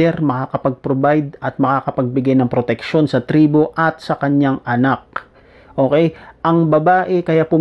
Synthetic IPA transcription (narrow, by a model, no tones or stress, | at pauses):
ɛɾmɐkakɐpɐɡ̚pɾobajd̪̚ɐt̪̚mɐkakɐpɐɡ̚bɪɡajnɐŋpɾot̪ɛk̚ʃo̞nsɐt̪ɾiːbo̞ʔɐt̪̚sɐkɐɲaŋʔɐnak̚ | ʔo̞ːkɛjʔɐŋbɐbaːʔɛkɐjapʊm